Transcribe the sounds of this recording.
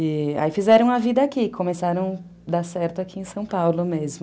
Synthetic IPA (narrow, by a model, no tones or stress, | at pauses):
ɪa̰ifizɛɾɐ̃w̃ɐvid̪ɐakikʰõmesaɾɐ̃w̃ | d̪aɾsɛɾt̪ʊakʰiẽj̃sɐ̃w̃pawlʊmezmʊ